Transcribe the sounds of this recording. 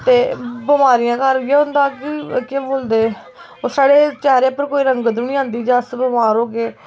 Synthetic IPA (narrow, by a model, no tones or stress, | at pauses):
t̪eːbəmaːɾɪjãːkəɾjeːɦʊ̃nd̪aːkikɪbold̪eː | oːsaːɽeːt͡ʃɛːɾeːpəɾkoːiːɾə̃ŋɡɡəd̪əʋnĩːãːnd̪iːd͡ʒasbəmaːɾoːɡeː